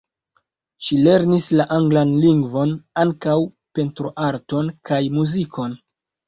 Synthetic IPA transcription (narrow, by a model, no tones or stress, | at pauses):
ʃile̞ɾnislaʔaŋɡlanliŋɡvo̞naŋkaw | pe̞ntɾo̞ʔaɾto̞nkajmuzikʰo̞n